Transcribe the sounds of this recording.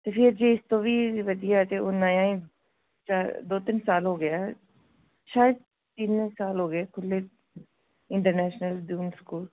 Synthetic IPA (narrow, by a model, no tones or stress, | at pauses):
t̪eːpʰɪɾd͡ʒeɪst̪õːʋiːʋəd̪ijat̪eʊnãjãːĩ | t͡ʃaːd̪oːt̪ɪnsaːlɦoːɡɐja | ʃaːjəd̪̚ | t̪iːnsaːlɦoːɡəeːkʰʊlːe | ɪ̃ɳʈəɾnɛːʃnəlɖuːnskuːl